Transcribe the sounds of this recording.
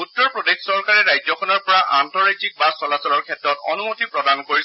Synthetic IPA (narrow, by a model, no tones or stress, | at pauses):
utːɔɹpɹɔdekʰsɔɹkaɹɛɹajzɔkʰɔnɔɹpɔɹaʔantɔɹajtik̚basɔlasɔlɔɹkʰɛtɹɔtɔ̰numotipɹɔdankoɹis